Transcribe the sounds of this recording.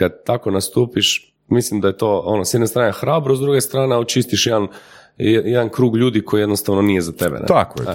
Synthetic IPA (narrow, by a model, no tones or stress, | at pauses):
kad̪̚t̪ako̞nast̪uːpiʃ | mislimd̪aje̞t̪o̞onosjed̪nest̪ɾaːnexɾaːbɾozd̪ɾuɡest̪ɾaːneaot͡ʃist̪iʃjed̪an | jed̪ankɾuːɡʎuːd̪ikʰo̞jijed̪nost̪aʋnonije̞zat̪ebḛnḛt̪akoj